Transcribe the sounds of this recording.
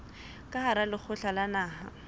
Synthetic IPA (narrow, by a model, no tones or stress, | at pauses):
kʼahaɾalɪk͡xʰʊɬalanaːha̰